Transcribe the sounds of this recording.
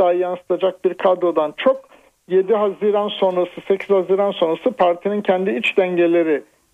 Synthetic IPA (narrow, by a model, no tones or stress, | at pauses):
aːjansɯ̥t̪ʰad͡ʒak̚biɾkʰad̪o̞d̪ant͡ʃʰo̞k | je̞d̪iɦaziɾanso̞nɾasɯse̞cʰiz̥haziːɾanso̞nɾasɯpʰaɾt̪ʰinincʰɛnd̪iit͡ʃd̪ɛɲɟelʲe̞ɾɪ